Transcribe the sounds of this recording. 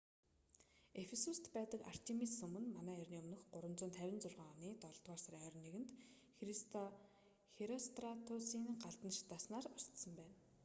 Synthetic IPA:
efesust̪pæːt̪ə̆ka̰r̥t̪ʰemisɵ̆mɵ̆nmanæːærʲniːɵmnɵ̆xɢʊɾwə̆nt͡sʊ̆ːnt̪ʰæwʲɪ̆nt͡sʊrʁaːniːt̪ɔɮt̪ʁaːrsaɾʲiːŋœɾ̆ʲneɣɘ̆nt̪ | xrist̪ʰɔ | xeɾɔst̪rat̪ʰʊsiːŋɢaɮt̪ə̆nʃi̥t̪aːsnaːrɔst̪sə̆mpæːn

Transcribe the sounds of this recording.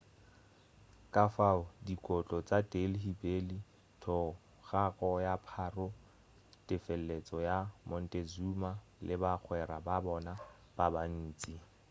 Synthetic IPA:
kʼafaʊdikʼɔt͡ɬʼɔt͡sʼadelhibeli | tʰɔ | ɣakʼɔjapʰarʊ | tʼɪfɛl̩ːet͡sʼɔjamɔn̩tʼezuma | lɪbak͡xʰwɛɾababɔna | b̥aban̩ːt͡sʼi

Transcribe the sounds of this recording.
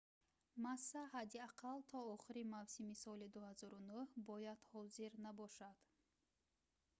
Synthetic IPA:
masːahad̪iaqʰalt̪ʰɔɔχiɾimavsimisɔlid̪uhazɔɾunuhbɔjad̪̥hɔziɾnabɔʃad̪̥

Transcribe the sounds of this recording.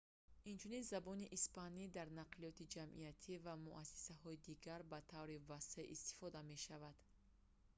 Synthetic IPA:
int͡ʃʰuninzabɔniʔispanid̪aɾnaqlijɔt̪ʰid͡ʒamʔḭjat̪ʰivamuʔasi̥sahɔid̪iɡaɾbat̪ʰavɾivase̞ʔist̪i̥fɔd̪ame̞ʃavad̪̥

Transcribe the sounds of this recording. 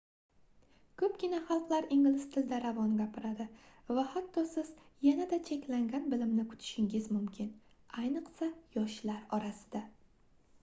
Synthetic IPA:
kʰɵpɡʲɪnaχɑlˠqlˠaɾɪŋʲɪlɪst̪ʰɪld̪aɾavɒnɡʲapʰɪɾad̪ɪvahat̪ːɒsɪz̥janad̪at͡ʃʰe̞kʲlaŋɡʲanbɪlɪmnɪkʰʊ̥t̪ʰɪ̥ʃɪŋɡʲɪzmʊmkʲʰɪn | ajnɨqsajɒʃlaɾɒɾasɪ̥d̪̥a

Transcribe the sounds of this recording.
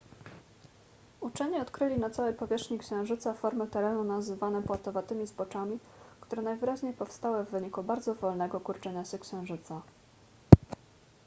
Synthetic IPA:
ut͡ʂɛɲiɔt̪kɾɘlʲinat̪sawɛjpɔvʲjɛʂxɲikɕɛ̃w̃ʐɘt̪safɔɾmɘt̪ɛɾɛnunazɘvanɛpwat̪ɔvat̪ɘmʲizbɔt͡ʂamʲi | kt̪uɾɛnajvɘɾaʑɲejpɔfst̪awɘvːɘɲikubaɾd̪zɔvɔlnɛɡɔkuɾt͡ʂɛɲaɕɛkɕɛ̃w̃ʐɘt̪sa

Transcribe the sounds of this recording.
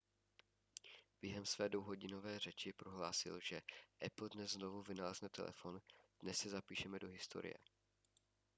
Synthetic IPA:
b̥jɛɦɛmsvɛːdowɦo̞ɟɪno̞vɛːr̝ɛt͡ʃɪpɾoɦlaːsɪ̰lʒɛʔɛpl̩dnɛzzno̞vuvɪnalɛznɛt̪ɛ̰lʔɛ̰fo̞nd̥nɛsːɛzapiːʃɛmɛdoɦɪst̪o̰ɾɪ̰jɛ̰

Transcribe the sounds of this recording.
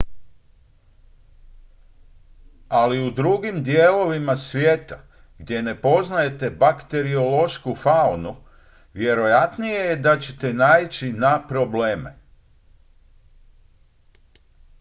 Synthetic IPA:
aliud̪ɾuɡimd̪jeːlo̞ʋimasʋjeːt̪a | ɡd̪je̞ne̞po̞znaje̞t̪e̞bakt̪e̞ɾio̞lo̞ʃkufaunu | ʋje̞ɾo̞jat̪nije̞jed̪at͡ɕe̞̥t̪enaːit͡ɕinapɾo̞ble̞ːme

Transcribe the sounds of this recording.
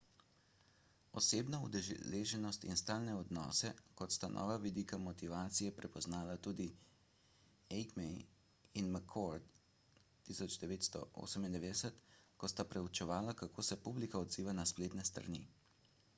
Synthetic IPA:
ɔseːbnaud̪ɛleːʒɛnɔst̪ḭnst̪aːlnɛɔd̪nɔ̰ːsɛkɔt̪st̪anʔɔ̰ːʋaʋid̪iːkamɔt̪iʋaːt̪sijɛpɾɛpɔznaːlat̪uːd̪i | ɛɡmɛj | inmakʰɔɾt̪ː | isɔd͡ʒd̪ɛʋeːt̪st̪ɔ̰ʔo̰sɛmind̪ɛʋed̪ɛsɛt̪kɔst̪apɾɛut͡ʃɛʋaːlakakʰoːsɛpublikaɔd̪ziːʋanaspleːt̪nɛst̪ɾa̰nḭ

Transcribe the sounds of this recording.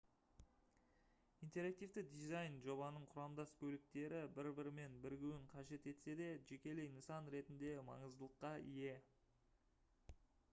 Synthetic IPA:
ijnt̪e̞ɾak̚t̪ijvt̪ɪd̪ijzɑjnʒo̞bɑnəɴqʰʊɾɑmd̪ɑskʲʰɵlɪk̚t̪e̞ɾɪbɪɾbɪɾme̞nbɪɾɡʲewɪɴqʰɑʒe̞t̪e̞t̪se̞d̪e̞ʒekʲe̞le̞jnəsɑnɾe̞t̪ɪnd̪e̞mɑ̰ɴəzd̪əlˠəqːɑije̞

